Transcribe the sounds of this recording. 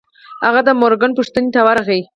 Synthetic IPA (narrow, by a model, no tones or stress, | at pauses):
haɣad̪əmoɾɡanpʊʂt̪ənet̪awaɾaxai